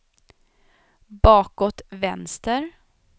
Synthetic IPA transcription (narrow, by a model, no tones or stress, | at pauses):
bɑːkɔt̪vɛnst̪əɾ